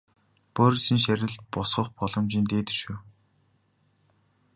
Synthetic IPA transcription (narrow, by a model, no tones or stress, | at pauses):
pɔɾʲĭsiːŋʃæɾʲɪ̆ɮt̪̚pʊsχɞ̆χpɔɮɞ̆mt͡ɕiːnt̪eːt̪ɘ̆ʃŭw